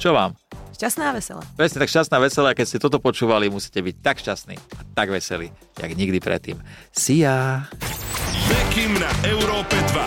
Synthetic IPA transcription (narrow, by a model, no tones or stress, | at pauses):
t͡ʃɔʋaːmʃcast̪naːʋɛsɛ̰la̰pɾɛsɲɛt̪akʃcast̪naːʋɛsɛlaakɛcscɛt̪ɔt̪ɔpɔt͡ʃuːʋalimusi̥ːcɛbic̚t̪akʃcast̪nḭːat̪aɡʋɛsɛli | ja̰ɡɲiɡd̪ipɾɛ̰t̪ːḭːm | sija | jɛkimnaʔɛʊɾɔːpɛd̪ʋa